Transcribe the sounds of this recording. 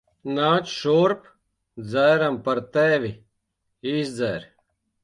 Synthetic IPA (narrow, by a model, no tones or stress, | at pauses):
naːt͡ʃʃoːɾp | d͡zɛːɾɐmpɐɾt̪eːʋi | iːsd͡zɛːɾ